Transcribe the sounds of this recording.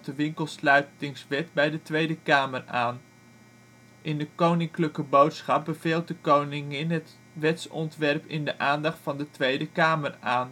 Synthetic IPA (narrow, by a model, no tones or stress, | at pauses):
dəʋɪŋkəlˠslœɥtɪŋsʋɛtbɛjdətʋejdəkaːməraːn | ʔɪndəkownɪŋkləkəbowtsχɑp̚bəv̥eːlˠt̚dəkownɪŋɪnɦət | ʋɛtsɔ̰ntʋɛrpɪndəʔaːndɑχtfɑndətʋejdəkaːməraːn